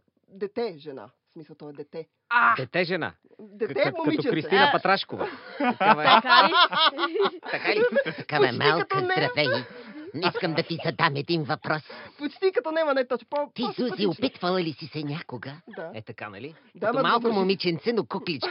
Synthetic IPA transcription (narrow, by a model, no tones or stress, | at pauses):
d̪ɛt̪ɛʒɛna̰ | smisˠt̪ɔɛd̪ɛt̪ɛ | ad̪ɛt̪ɛʒɛna̰ | d̪ɛt̪ɛmomiot͡ʃɛkɾist̪inəppɐt̪ɾaʃkovəɐv | t̪ɐkalit̪ɐkaɐɛmalˠtkət̪ɾɐt̪ɛɡiiskəmd̪ɐt̪izɐd̪amɛd̪invɐpɾɔspot͡ʃt̪ikɐt̪ɔnɛmɐnat̪ɔt͡ʃpt̪id̪uziopit̪vɐlˠɐlisisɛnʲakʊɡəd̪aɛt̪ɐkanɐ̰li | d̪ɐamalˠkʊmomit͡ʃɛnt̪sɛnokuklit͡ʃ